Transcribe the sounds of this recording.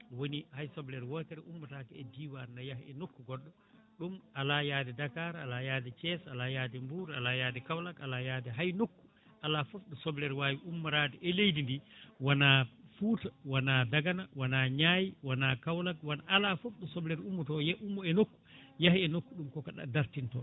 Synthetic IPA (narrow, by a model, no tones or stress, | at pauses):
wonihajsɔblɛɾwɔtɛɾɛumːutakɛɛdiːwanajahḭɛnokːuɡɔɗːɔ | ɗumalajadɛdakaɾalajaːdɛt͡ʃɛsalajaːdɛmbuɾalajaːdɛkawlakalajaːdɛɦajnokːu̥ | ʔalafɔfɗɔsɔblɛɾwajiʔumːaɾaːdɛʔɛlejdindiwanafuːtawanadaɡanawanaɲaːjiwanakawlak̚wanʔalafɔfɗɔsɔblɛɾumːutɔjɛʔumːuɛnokːu̥jahiɛnokːuɗumkɔkaɗa̰daɾtintɔ